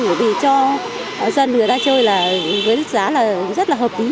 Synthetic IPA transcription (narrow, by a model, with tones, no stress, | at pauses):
u˨˧˩vi˨˩t͡ɕɔ˧˨ | zə˧nŋɨ˨˩əjt̪aː˧t͡ɕəː˧jlaː˨˩vəː˨˦jɗə˦˥k̚zaː˨˦laː˨˩zə˦˥t̚laː˨˩ɦəː˨˩p̚ʔi˨˦